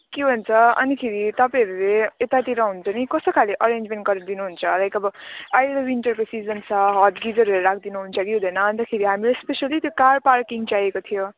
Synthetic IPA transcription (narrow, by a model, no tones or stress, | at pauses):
kebʱont͡sʰʌʌ̰nikʰeɾit̪ʌpãʌɾuleet̪at̪iɾʌɦunt͡sʌnikʌsokʰaleʔʌɾend͡zmenʈ̚ɡʌɾd̪inuɦunt͡sʰʌlajkʌbʌajdʌwinʈʌrkosid͡zʌnt͡sʰʌɦʌt̪ɡid͡zʌɾuleɾakʰd̪inuɦunt͡sʰʌkiɦũd̪ʌjnʌːnt̪akʰeɾiɦamilespesalit̪jokarparkiŋt͡sajekot̪ʰijo